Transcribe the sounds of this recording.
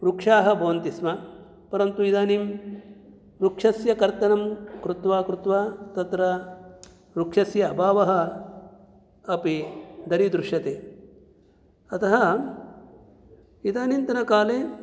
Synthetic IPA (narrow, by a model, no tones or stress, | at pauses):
ɾukʂaːɦɐ̆bʱɐʋɐnt̪isma | pɐɾɐnt̪uid̪aːnim | ɾukʂɐsjɐkɐɾt̪ɐnɐmkɾut̪ʋaːkɾut̪ʋaːt̪ɐt̪ɾɐ | ɾukʂɐsjɐːbʱaːʋɐɦɐ | pid̪ʱɐɾid̪ɾuʂjɐt̪eː | ɐt̪ʰɐɦɐ | id̪aːnimt̪ɐnɐkaːleː